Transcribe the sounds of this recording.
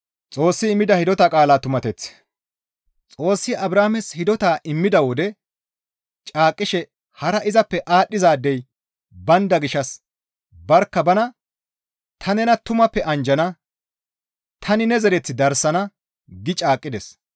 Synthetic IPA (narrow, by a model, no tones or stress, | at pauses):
t͡sʼo̞ːsːɪːmːɪd̪ɐhɪd̪ɔt̪ɐkʼaːlaːt̪ʊmɐt̪ɛt͡s | t͡sʼo̞ːsːɪʔɐbɾaːmɛshɪd̪ɔt̪aːʔɪmːɪd̪ɐwɔd̪ɛ | t͡ʃʼaːkʼːɪʃɛ | hɐɾɐʔɪzɐpːɛʔaːɗːɪzaːd̪ːɛj | bɐnd̪ɐɡɪʃːɐs | bɐɾkːɐbɐnɐ | t̪ʰɐnɛnɐt̪ʊmɐpːɛʔɐnd͡ʒɐnɐ | t̪ʰɐnɪnɛzɛɾɛt͡sːɪd̪ɐɾsɐnɐ | ɡɪt͡ʃʼaːkʼːɪd̪ɛs